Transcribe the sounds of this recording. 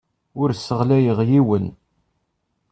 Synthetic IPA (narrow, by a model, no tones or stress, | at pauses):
ʊɾsəʁlæjəʁjiwən